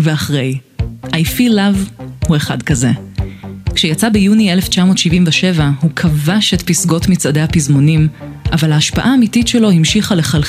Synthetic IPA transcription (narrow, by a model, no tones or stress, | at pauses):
veaχʁe̞jʔajfilavhue̞χa̰dkaze̞ | kʃejat͡sabejunieleft͡ʃamo̞ːtʃivimveʃe̞vahukʰavaʃetpisɡo̞tmit͡sade̞japizmonim | ʔavalaːʃpaʔaːmititʃelo̞himʃiχale̞χal